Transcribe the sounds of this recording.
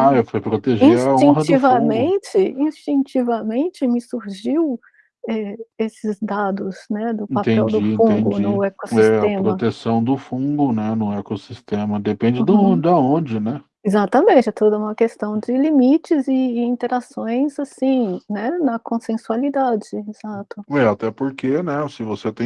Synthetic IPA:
aefojpɾot̪eʒĩsaot͡ʃĩɐt͡ʃivɐmẽt͡ʃɪĩst͡ʃĩt͡ʃivɐmẽt͡ʃɪmɪsuɾʒiw | ɛesɪzd̪ad̪ʊznɛd̪ʊ̃papt̪ẽɛɛwd͡ʒd̪ʊiĩfũɡʊnnʊɛkosiɛsɐt̪ẽpmɾoɐt̪esɐ̃w̃d̪ʊfũɡʊnɛnʊɛkosist̪ẽmɐd̪epẽd͡ʒɪd̪aõd̪aõd͡ʒɪnɛ | izat̪ɐmẽnt͡ʃɪɛt̪od̪ɐũmɐkest̪ɐ̃w̃d͡ʒɪlimit͡ʃɪzɪĩnt̪eɾasõj̃zasĩnɛnɐkõsẽsualid̪ad͡ʒɪez̥at̪ʊɛat̪ɛpoɾkenɛsɪvoset̪ẽ

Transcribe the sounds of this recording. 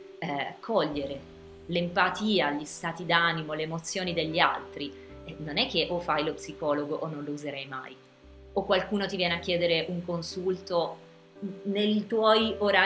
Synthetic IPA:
ɛkʰɔʎːeɾe | lempat̪iːaʎist̪aːt̪id̪animoleːmot̪sːjoːnid̪eʎːia̰lt̪ɾi | ɛnonɛk̟ːeʔofajlopsikɔːloɡoʔonːõnlouzeɾɛjma̰j | okwalkuːnot̪ivjɛːneakːjɛːd̪eɾeʔuŋkonsult̪o | nejt̪wɔjoɾa

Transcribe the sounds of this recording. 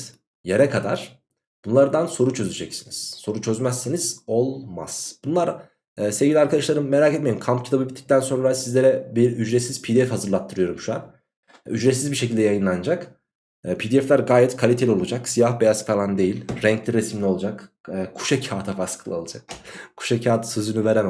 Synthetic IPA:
jeɾɛkʰad̪a̰ɾ̥ | b̥unlˠaɾd̪anso̞ɾut͡ʃʰøzyd͡ʒɛcsiniz̥so̞ɾut͡ʃʰø̞zmæsːiniz̥o̞lˠma̰z̥b̥unlˠaɾː | sevɟʲilʲiaɾkʰad̪aʃlˠaɾɯmːe̞ɾaːket̪̚meimkʰampcʰi̥t̪ʰabɯbit̪ʰːi̥c̚t̪ʰænso̞nɾasizlʲe̞ɾɛbiɾyd͡ʒɾet̪siz̥pʰid̪iɛfhazɯɾlˠat̪ʰːɯɾɯjo̞ɾumʃua̰n | yd͡ʒɾet̪sizbiʃ̬e̞cʰilʲd̪ɛjajɯnlˠand͡ʒakː | pʰid̪iɛflʲæɾɡaːjɛt̪kʰalʲit̪ʰe̞lʲio̞lˠud͡ʒaksijahbe̞jaskalˠand̪e̞jilʲɾɛɲclʲiɾesimlʲio̞lˠud͡ʒakːkʰu̥ʃecʰaːt̪ʰafaskʰɯlˠɯolˠad͡ʒak̚kʰu̥ʃecʰaːt̪ʰsɯzynyveɾɛm

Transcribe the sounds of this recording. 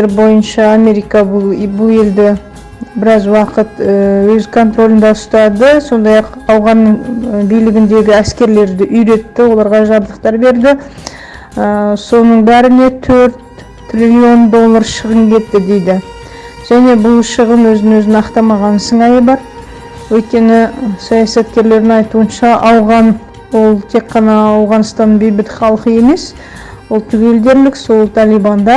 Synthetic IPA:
ɾbo̞jənʃɑːme̞ɾijkɑbʊbʊlˠe̞ld̪ɪ | bɪɾɑzwɑqət̪əwɵzkʰo̞nt̪ro̞lʲɪnd̪ɑʊst̪ɑd̪əso̞nd̪ɑjɑqɑwʁɑnːəɴbijlɪɡʲɪnd̪e̞ɡʲɪæskʲe̞ɾle̞ɾd̪ɪʔʏjɾe̞t̪ːɪwo̞lˠɑɾʁɑʒɑbd̪əq̚t̪ɑɾbe̞ɾd̪ɪ | əso̞nəɴbæɾɪne̞t̪ʰɵɾt̪̚ | t̪ʰrʲilʲiio̞nd̪o̞lˠːɑɾʃəʁəmkʲʰe̞t̪ːɪd̪e̞jd̪ɪ | ʒ̥æne̞bʊlˠʃəʁənwɵzɪɪnɵzɪnɑqt̪ɑmɑʁɑnsəɴɑjəbɑɾ | wɵjt̪̚kʲe̞nɪsɑjɑsɑt̪kʲe̞ɾle̞ɾɪŋɑjt̪uənʃɑʔɑwʁɑn | wo̞lˠt̪ʰe̞kqːɑnɑːwʁɑnst̪ɑnbejbɪt̪χɑlˠqəje̞me̞s | wolˠt̪ʰʏɡʲe̞ld̪e̞ɾlɪkso̞lˠt̪ʰɑlijbɑnd̪ɑ

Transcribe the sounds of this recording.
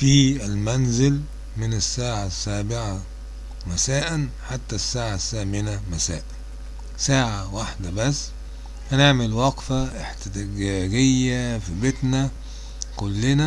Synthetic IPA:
fiːɪlmænzɪl | mɪnesːaːʕasːæːbɪʕa | mæsæːʔænħat̪ːæsːaːʕasːæːmɪnæmæsæːʔæ | saːʕawaħd̪æbæsː | ʔæneʕmelwɑqfaʔeħt̪ɪt̪æɡæːɡejːæfibet̪næ | kʊlːɪnæ

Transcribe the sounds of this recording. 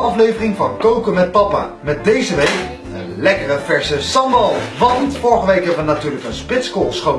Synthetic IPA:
ɑflejvərɪŋvɑnkowkəmɛt̚pɑpa̰ːmɛt̚dejzəʋejk | ənlɛkərəvɛɹsəsɑmbɑlˠʋɑntfʊːɹəχəʋejkɦɛbəʋənatyːɹləkənspɪtskolˠsχo

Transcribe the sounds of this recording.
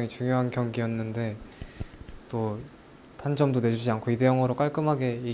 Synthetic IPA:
ŋit͡ɕuŋjoɦankjʌŋɡijʌnːɯnde̞ | t͈o | tand͡ʑʌmdone̞d͡ʑud͡ʑiankʰoide̞jʌŋʌɾok͈aɭk͈ɯmɦaɡe̞i

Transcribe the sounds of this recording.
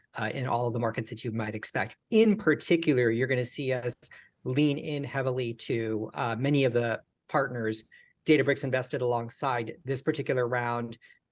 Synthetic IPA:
ɪ̰̃nʔɔ̰lˠʌvðəmɑɹkɨtsðɨt͡ʃɨmaɪɾɨkspɛk̚tɪ̃npʰə˞tʰɪkjl̩ˠə˞jə˞ɡʌñɨsiʌs | lĩnɪ̃nhɛvl̩ˠiɾɨmɛñiʌvðə | pʰɑɹtⁿnə˞z | d̥eɪɾɨbɹɪksɨ̃nvɛstɨɾəlɔ̃ŋsaɪd̪̚ðɪspʰə˞tʰɪkjl̩ˠə˞ɹãʊ̃nd̥

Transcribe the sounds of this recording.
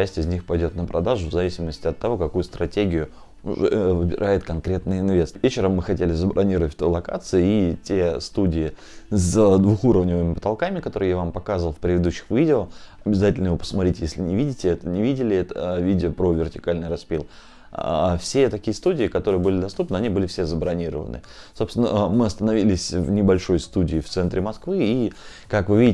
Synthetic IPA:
æsʲtʲɪzʲnʲixpɐjdʲo̞t̪̚nəpɾʔɐd̪aʐʊvzɐvʲisʲɪməsʲtʲɪɐt̪ːɐvo̞kɐkujʊst̪ɾɐtʲeɡʲɪjʊ | ʊ̰ʐɛ̰vɨbʲɪ̰ɾʔajɪt̪kɐnkɾʲe̞t̪nɨjɪnvʲe̞st̪vʲet͡ɕɪɾəmːɨxɐtʲelʲɪzəbɾʔɐnʲiɾəvətʲt̪ojlˠɐka̰t̪sɨʊitʲe̞st̪udʲɪɪ | zəd̪vuxuɾəvnʲɪvɨmʲɪpət̪ɐlˠkamʲɪkɐt̪o̞ɾɨjavampɐkazvəlˠfpɾʲɪvʲɪd̪uɕːɪ̥xvʲidʲɪoɐbʲɪzatʲɪlʲnəjɪvopəsmɐt̪ɾʲitʲjesʲlʲɪnʲɪvʲidʲɪtʲɪɛt̪ənʲɪvʲidʲɪlʲɪɛt̪əvʲidʲɪopɾovʲɪrtʲɪ̥kalʲnɨjɾɐspʲilˠ | fsʲe̞t̪ɐkʲijəst̪udʲɪːkɐt̪o̞ɾɨjəbɨlʲɪd̪ɐst̪up̚nɨɐnʲibɨlʲɪfsʲezəbɾɐnʲiɾə̰və̰nɨ̰ | so̞pst̪ʲɪnə̰mɨɐst̪ənɐvʲilʲɪsʲvnʲɪbɐlʲʂo̞jst̪udʲɪːft̪sɛnt̪ɾʲɪmɐskvɨi | kakvɨvʲidʲɪ

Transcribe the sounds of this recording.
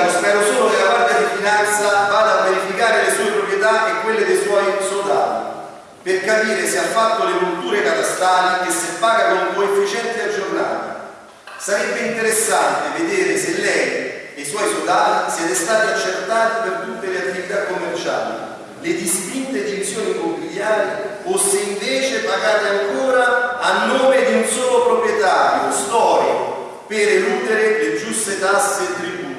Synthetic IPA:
spɛːɾosoːlokelapark̪ad̪ifinant̪savaːd̪aːvːeɾifikaːɾelesuːepɾopɾjet̪aʔekːwelːed̪ejswɔjsod̪a̰ːt̪i | perkapiːɾeseafːat̪ːolekult̪uːɾekat̪ast̪aːlikesːepːaːɡakomkoefːit͡ʃɛnt̪iad͡ʒːorna̰ːt̪ḭ | saɾɛbːeint̪eɾesːant̪eved̪eːɾeselːɛj | ejswɔjsod̪aːt̪isjɛːt̪est̪aːt̪iat͡ʃːet̪ːaːt̪ipert̪ut̪ːeleat̪ːivit̪akːomːert͡ʃa̰ːlḭ | led̪ist̪int̪ed̪ivizjoːnimompiljaːɾifosːeiɱveːt͡ʃepaɡaːt̪eaŋkoːɾaanːoːmed̪iunsoːlopɾopɾjɛt̪aːɾjo̰st̪ɔːɾik | peɾeluːd̪eɾeled͡ʒust̪et̪asːet̪ːɾibuː

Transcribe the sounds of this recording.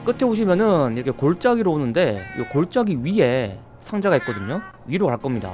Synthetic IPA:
k͈ɯtʰe̞oɕʰimjʌnɯniɾʌkʰe̞koɭt͡ɕ͈aɡiɾoonɯnde̞okoɭt͡ɕ͈aɡiɥie̞ | sʰaŋd͡ʑaɡaɦit̚k͈ʌdɯɲo | ɥiɾokaɭk͈ʌmɲida̰

